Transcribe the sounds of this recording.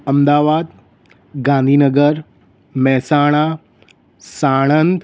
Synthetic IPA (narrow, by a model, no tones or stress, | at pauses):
ɐmd̪aːʋaːd̪ | ɡãːnd̪ʱiːnəɡəɾ | mɛɦsaːɽ̃a | saːɽ̃ənt̪